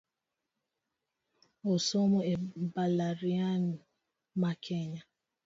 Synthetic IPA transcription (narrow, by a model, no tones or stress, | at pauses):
osomɔebalaɾian | makʰeɲa